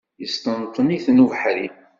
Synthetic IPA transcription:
jəst̪ənt̪ˤːəniθnuvħɾi

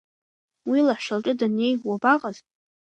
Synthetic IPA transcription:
wilaħʃalʈ͡ʂʼʊdane̞jwabaqʼaz

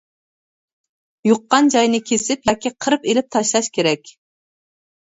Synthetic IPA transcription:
joqːɑnd͡ʒɑjnɨkʲʰesɪpjɑkʲiqʰəɾɨpelɪp̚t̪ʰɑʃlˠɑʃkʲeɾɛkʲ

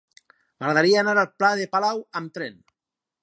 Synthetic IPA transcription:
maɣɾaðaɾiaːnaɾalplaðepalawamt̪ɾen

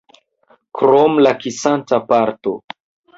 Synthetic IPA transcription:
kɾomlakisantapaɾto̰

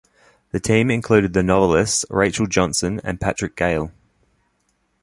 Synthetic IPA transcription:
ðətʰĩːmɪ̃nkʰl̥ʉːɾɪd̪̚ðənɒvəlɪstsɹeɪt͡ʃəlˠd͡ʒɒ̃nsə̃nə̰̃npʰat͡ʃɹ̥ɪk̚ɡ̥eɪlˠ

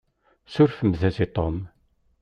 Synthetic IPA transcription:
sʊɾfəmðæsit̪ˤom

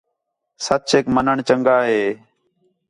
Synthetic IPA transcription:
sət͡ʃeːkmənəɳt͡ʃəŋɡaːɦeː

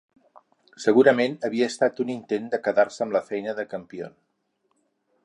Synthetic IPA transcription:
səɣ̞uɾəmenəβiəːst̪at̪unint̪end̪əkəðaɾsəmləfɛjnəðəkəmpio̰n

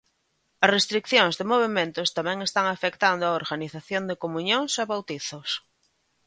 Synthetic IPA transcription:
ɐsrest̪ɾikθjoŋzðemoβ̞emẽnt̪ost̪amɛ̃ŋest̪aŋafekt̪and̪oaoɾɣaniθaθjõnd̪ekomũɲõŋsaβawt̪iθos

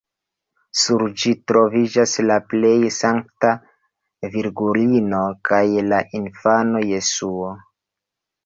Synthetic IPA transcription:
suɾd͡ʒitɾo̞vid͡ʒaslaple̞jsaŋk̚ta | viɾɡulino̞kajlaʔinfano̞je̞suo

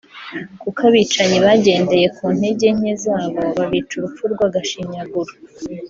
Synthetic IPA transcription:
kukaβiːt͡ʃaɲiβaɟe̞ːnde̞je̞kuːn̥he̞ɟe̞ɲ̥ezaːβo̞βaβiːt͡ʃuɾufuɾɡwaɡaʃiɲaɡuɾu

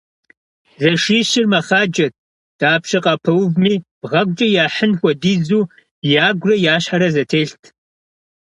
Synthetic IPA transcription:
zɐʂiːɕɪrmɐχaːd͡ʒʼɐt̚ | d̥aːpʂɐqʼɐpʰɐwvmiːb̥ʁɐɡʷʼt͡ʃʼɐjaːħənxʷɐdiːzuː | jaːɡʷrɐjaːɕħaɾɐzɐtʰeːɬtʰ

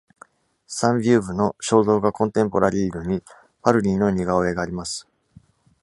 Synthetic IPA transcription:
sãmbʲɨːbɯ̟no̞ɕo̞ːzo̞ːɡakõ̞nt̪ẽ̞mpo̞ɾʔaɾʲiːɾɯ̟ɲ̟i | paɾɯ̟ɾʲiːno̞ɲ̟iɡaoe̞ɡaːɾʲimasɨ̥

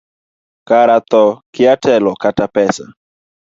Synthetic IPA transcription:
kaɾat̪ɔkɪatɛlɔkatapɛsa̰

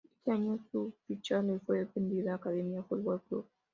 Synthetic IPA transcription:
et̪eaɲosufit͡ʃalefwepend̪iðaːkaðemjafut̪̚bolklṵβ

